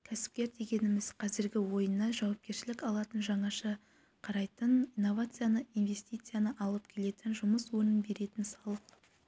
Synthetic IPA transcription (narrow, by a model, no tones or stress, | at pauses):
kʲʰæsɪ̥p̚kʲe̞ɾd̪e̞ɡʲe̞nɪmɪzqʰɑzɪɾɡʲɪwo̞jənːɑʒɑwɑp̚kʲe̞ɾʃɪlɪkɑlˠɑt̪ənʒɑɴɑʃə | qʰɑɾɑjt̪ənijnːo̞vat̪sɨjanəinvʲe̞st̪ijt̪sɨjanəʔɑlˠəp̚kʲʰe̞le̞t̪ɪnʒʊməswɵɾnɪnbe̞ɾe̞t̪ɪnsɑlˠəq